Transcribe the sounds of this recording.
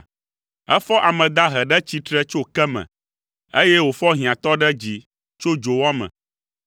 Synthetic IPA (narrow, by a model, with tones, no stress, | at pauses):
ɛ̰˦fɔ˦ʔa˨mɛ̃˨d̪a˦ɦɛ˨ɖɛ˦t͡ɕi˦t̪ɾɛ˦t͡ʃo˦kɛ˦mɛ̰̃˨ | e˦jɛ˦wo˨fɔ˦ɦĩ˨ã˨t̪ɔ˦ɖɛ˦d͡ʑi˨ | t͡ʃo˦d͡ʒo˨wɔ˦mɛ̰̃˨